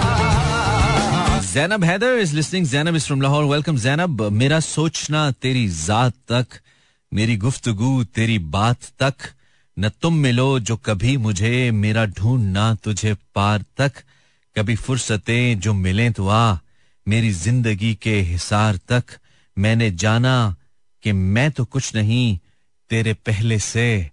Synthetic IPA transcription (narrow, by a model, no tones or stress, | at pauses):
zɛːnəbɦɛːd̪əɪzlɪsnɪ̃ŋzɛːnəbɪsfɾɐmlaɦɔːɾʋɛlkə̃mzɛːnəbmeːɾasoːt͡ʃnat̪eːɾizaːt̪ːɐk | meːɾiɡʊft̪ʊɡut̪eːɾibaːt̪ːɐk | nɐt̪ʊmːɪlod͡ʒoːkɐbʱimʊd͡ʒʱemeːɾaɖʱũːɳɖnat̪ʊd͡ʒʱepaːɾt̪ɐk | kːɐbʱifʊɾsət̪ẽd͡ʒoːmɪlẽt̪uaː | meːɾizɪ̃nd̪əɡikeɦɪsaːɾt̪ɐk | mɛ̃ːned͡ʒaːna | kemɛ̃ːt̪okʊt͡ʃʰnɐɦĩ | t̪eːɾepɛɦlese